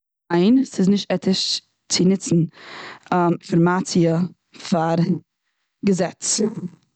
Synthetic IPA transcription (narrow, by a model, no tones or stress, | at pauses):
aɪnsɪznɪʃtɛtʰɪʃ | t͡sɪnɪt͡sn̩ | fɪɾmat͡siə | faɾ | ɡəzɛt͡s